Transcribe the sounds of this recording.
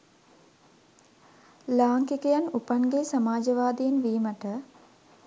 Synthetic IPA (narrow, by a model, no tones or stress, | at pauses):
laːŋkikəjanupaŋɡesamaːd͡ʒəʋaːd̪ijenʋiːməʈə